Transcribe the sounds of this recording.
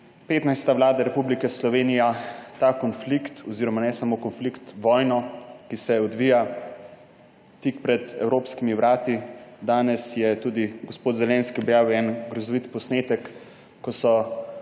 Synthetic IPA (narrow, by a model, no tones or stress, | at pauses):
peːt̪najst̪aʋlaːd̪aɾɛpublikɛslɔʋeːnijat̪akɔnflikt̪ʰɔziɾɔmanɛsamokɔnflikt̪ʋɔːjnɔkisɛɔd̪ʋiːja | t̪ikpɾɛd̪ɛ̰wɾoːpskimiʋɾaːt̪id̪aːnɛsjɛt̪uːd̪iɡospoːt̪zɛlɛ̃nskiɔbjaːwɛnɡɾɔzɔʋit̪pɔsneːt̪ɛkː | ɔsɔ